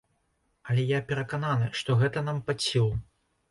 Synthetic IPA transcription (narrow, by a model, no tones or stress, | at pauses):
ɐlʲɛjapʲɛɾɐkananɨʂt̪ɔɣɛt̪ɐnampat͡sʲiw̪ˠ